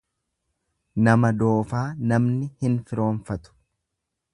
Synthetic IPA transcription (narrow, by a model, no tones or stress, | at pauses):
nɐmɐd̪o̞ːfaːnɐmnɪhɪnfɪɾo̞ːnfɐt̪ʊ̥